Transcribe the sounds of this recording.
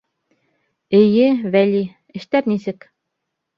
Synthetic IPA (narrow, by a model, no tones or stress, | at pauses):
ɘ̆jɘβælʲi | ɘ̆ʃt̪æɾnisɘk